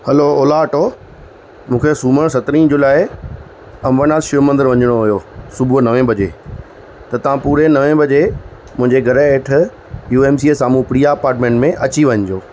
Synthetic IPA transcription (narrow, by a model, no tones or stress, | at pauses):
hɐlooːlaʈoː | mũːkʰesuːməɽ̃sɐt̪ɾĩd͡ʑoːlaːɪ | ɐmʋənaːlʃʊmə̃nd̪əɾʋɐ̃ɲəɽ̃oɦʊjoːsʊbʱʊnɐʋẽbʱɐd͡ʑḛː | t̪ɐt̪ɐʋ̤ãpuːɾenɐʋẽbʱɐd͡ʑe | mʊ̃ɦɪ̃ɲd͡ʑeɡʱɐɾeeːʈʰ | juːeːmsiesaːmũpɾijaɐpaːɾʈmẽːɳʈmẽʔɐt͡ɕiʋɐɲd͡ʑoː